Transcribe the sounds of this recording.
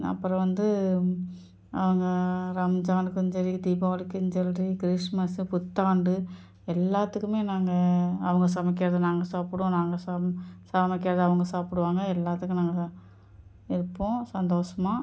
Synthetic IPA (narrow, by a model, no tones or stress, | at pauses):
ɐ̰pːɯɾɐ̃ʋɐnd̪ɯ | ʔɐ̰ʋɐŋɡɐɾɐmd͡ʒaːɳɖɯkɔɲd͡ʒɐɾid̪iːpaːʋɐɽɯkːɪɲd͡ʒɐlrikɾɪʂmɐspʊt̪ːaːɳɖɯ | ɛlːaːt̪ːɯkːɯmeːnaːŋɡɐɐʋɐŋɡɐs̬ɐmɐk̬ːɪɾɐðɐnaːŋɡɐsaːpɪɽʊ̃naːŋɡɐsasɐmɐkːɪɾɐðɯɐʋɐŋɡɐsaːpɪɽɯʋaːŋɡɐɛlːaːt̪ːɯkːɯ̃naːŋɡɐ | ɪɾɯpːõsɐnd̪oːʂɐmaː